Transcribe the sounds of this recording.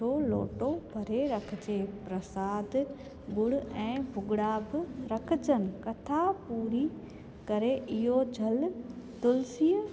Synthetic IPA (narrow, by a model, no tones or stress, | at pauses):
olo̰ːʈobʱɐɾeɾɐkʰd͡ʑepɾɐsaːd̪ | ɡʊɽ̤ɛ̃ːbʱʊɡɪɽabɪɾɐkʰɪd͡ʑənɪ̆kɐt̪ʰapuːɾi | kɐɾeʔɪɦod͡ʑʱɐlt̪ʊlsiːə